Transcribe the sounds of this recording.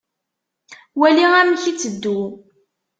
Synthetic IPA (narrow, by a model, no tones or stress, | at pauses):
wæliæmçit͡sːəd̪ːu